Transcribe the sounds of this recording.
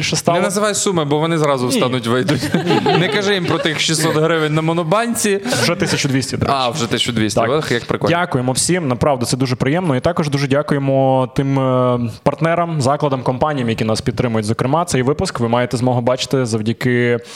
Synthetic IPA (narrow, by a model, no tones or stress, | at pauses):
ilʲʃɛst̪ɑjɛnɐzɪʋɑjsumɪbɔʋɔnɪzɾɑzʊsɑnʊtʲʋɪjd̪ʊtʲnɛkɐʒɛjimpɾɔt̪ɪxʃisɔt̪ɦɾɪʋɪnʲnɐmɔnʊbɑnʲt͡sʲiʒɛt̪ɪsʲɐt͡ʃʊd̪ʋʲisʲtʲɐd̪ɪawʒɛt̪ɪsʲt͡ʃʊd̪ʲʋʲisʲt̪ɐkjɐkpɾɪkˠdʲakʊjemɔwsʲimnɐpɾɑʋd̪ɐt̪sɛd̪uʒɛpɾɪjɛmnɔit̪ɑkɔʒd̪uʒɛdʲakʊjemɔt̪ɪmpɐrt̪nɛɾɐmzɑklˠɐd̪ɐmkɔmpɑnʲijɐmjɐkʲinɑspʲid̪̚t̪ɾɪmʊjʊtʲzɔkɾɪmɑt̪sɛjʋɪpʊskʋɪmɑjet̪ɛzmɔɦɔbɑt͡ʃɪ̥t̪ɪzɐwdʲɐkɪ